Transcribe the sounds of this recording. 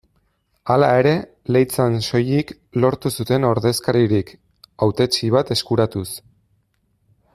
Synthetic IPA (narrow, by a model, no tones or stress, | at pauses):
alae̞ɾe̞ | le̞jt͡sanso̞jik | lo̞ɾt̪usut̪e̞no̞ɾðe̞skaɾiɾik | awt̪e̞t͡ʃiβ̞at̪e̞skuɾat̪us